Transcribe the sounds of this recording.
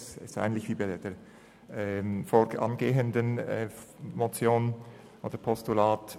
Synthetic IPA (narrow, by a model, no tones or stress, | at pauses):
sɛsta̰ɪɡən̩tlɪçviːbaɪd̥eːɐ | ɛfoːɑ̰nɡeːəndənɛmot͡sjoːn | ʔoːd̥əɐpʰɔstulaːt